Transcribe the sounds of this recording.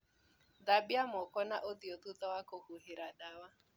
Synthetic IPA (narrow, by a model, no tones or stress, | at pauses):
dabjamɔkɔnaʔodiot̪ut̪ɔwakohuɦɪɾadawa